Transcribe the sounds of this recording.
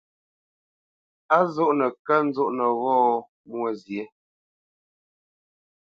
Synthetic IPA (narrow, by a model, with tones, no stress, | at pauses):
a˦zo˦ʔnə˨kə˦n̩˦zo˦ʔnə˨ɣɔː˦ | mwə˦˨zje˨˦